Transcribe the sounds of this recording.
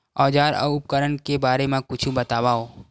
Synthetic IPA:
ɔːd͡ʒaːɾɔ̰ʊp̚kəɾənkebaːɾemẽkʊt͡ʃʰubɐt̪aːwaːoː

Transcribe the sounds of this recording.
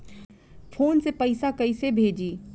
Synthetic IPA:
fʰoːnsepəɪsakəisebʱeːd͡ʒiː

